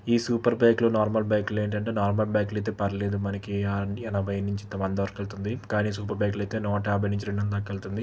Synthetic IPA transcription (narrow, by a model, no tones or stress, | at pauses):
iːsuːpɐɾbɐːjkloːnaːɾmɐlbɐjkle̞ːɳʈɐɳʈe̞ːnaːɾmɐlbaːklɐjt̪̬e̞ːpɐɾleːd̪umɐnɐkiɐnɐbɐjnuɲt͡ʃit̪ɐmɐnd̪ɐʋɐɾkɐlut̪und̪ikaːniːsuːp̬ɐɾbaːklɐjt̪e̞ːnɔːʈɐaːbɐjnuɲt͡ʃiɾeɳɖɐnd̪ɐkːɐlt̪und̪i